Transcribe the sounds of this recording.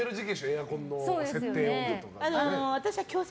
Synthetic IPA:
eɾɯ̟d͡ʑikʲĩɕoeakõ̞nːo̞oːd̪see̞toːeːoẽt̪okaanoanoβat̪aɕiβakʲo̞ːs

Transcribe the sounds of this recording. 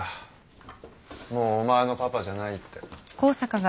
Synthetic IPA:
a | moːmaeno̞papaʑanait̪ːe̞ko̞ːsakaɡa

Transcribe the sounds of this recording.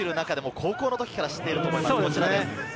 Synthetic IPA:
iɾɯ̟nakad̪e̞mo̞kʰo̞ːko̞ːnot̪o̞kʲi̥kaɾaɕi̥t̪ːe̞iɾɯ̟t̪omoimaːkot͡ɕiɾae

